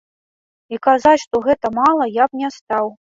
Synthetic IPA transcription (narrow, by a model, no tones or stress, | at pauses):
ikazat͡sʲʂt̪ɔɣɛt̪ɐmalˠɐjapnʲɛst̪aw